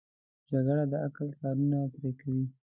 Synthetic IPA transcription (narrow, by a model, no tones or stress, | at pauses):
d͡ʒaɡɽad̪əaklt̪ɑɾunat̪ɾekawi